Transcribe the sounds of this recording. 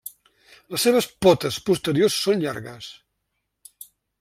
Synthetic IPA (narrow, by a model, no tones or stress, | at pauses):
ləsːeβ̞əspɔt̪əspust̪əɾiosːonʎa̰ɾɣəs